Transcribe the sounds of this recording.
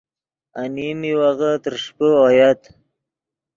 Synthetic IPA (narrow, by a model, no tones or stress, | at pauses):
animiwaɣat̪əɾʂpəɔjat̪